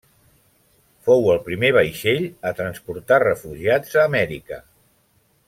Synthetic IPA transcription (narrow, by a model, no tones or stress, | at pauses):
fowəlˠpɾimeβ̞əjʃeʎət̪ɾənspuɾt̪arəfuʒiad͡zəːmɛɾikə̰